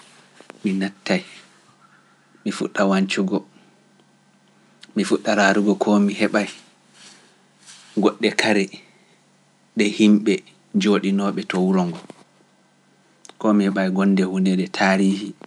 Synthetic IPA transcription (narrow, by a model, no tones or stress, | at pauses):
minatːaj | mifṵɗːawaɲt͡ʃuɡɔ | mifuɗːaɾaɾuɡɔkʰɔmiɦɛɓaj | ɡɔɗːɛkʰaɾɛ | ɗɛhimɓɛ | d͡ʒoːɗinɔɓɛtɔwuɾɔŋɡɔ | kɔmihɛɓajɡɔnːdɛhunɛdɛtʰaːɾiːhi